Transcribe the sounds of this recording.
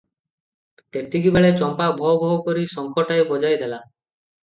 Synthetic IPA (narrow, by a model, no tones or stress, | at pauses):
t̪et̪ikibɛɭet͡ɕɔmpabʱɔbʱɔɦokoɾiʃɔŋkʰɔʈajbɔd͡ʑajd̪ɛla